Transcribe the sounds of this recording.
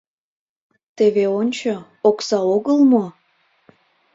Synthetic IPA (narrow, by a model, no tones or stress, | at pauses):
t̪eβeonʲt͡ɕo | oksɑoɣəlmo